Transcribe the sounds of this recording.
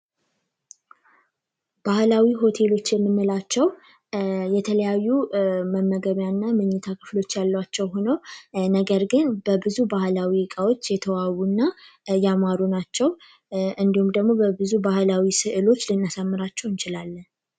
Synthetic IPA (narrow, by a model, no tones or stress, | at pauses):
b̥ahlawiɦo̞t̪ʰe̞lo̞t͡ʃːjɛmːɨnːəlat͡ʃːɛw | jɛt̪ʰələjajːuməmːəɡəβjanːamɨɲːɛt̪ʰakʰɨ̥flo̞t͡ʃːjalːwat͡ʃːɛwho̞nəwnəɡəɾɡɨnbəbɨzubahlawikʼawo̞t͡ʃːjɛt̪ʰəwawunːajamaɾunat͡ʃːɛw | ʔɨnd̪ihumd̪əɡmo̞bəbɨzubahlawisɨʔɨlo̞t͡ʃːlɨnːasəmːɨɾat͡ʃːɛwɨnt͡ʃɪlalːən